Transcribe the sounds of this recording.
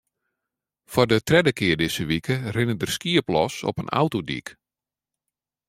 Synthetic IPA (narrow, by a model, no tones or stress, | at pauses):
fɔrdətrɛdəkɪərdɪsəʋikərɪnədərskiəplɔsɔ̰pənʔa̰wtodḭk